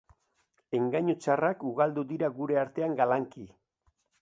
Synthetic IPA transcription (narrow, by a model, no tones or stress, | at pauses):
e̞ŋɡaɲut͡ʃarakuɣald̪uðiɾaɣuɾe̞aɾt̪e̞aŋɡalaŋki